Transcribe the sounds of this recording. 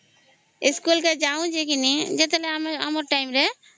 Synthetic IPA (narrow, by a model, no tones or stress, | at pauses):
iskulked͡ʒaũd͡ʒekinid͡ʒɛt̪ɛlɛamamɔɾʈajmɾɛ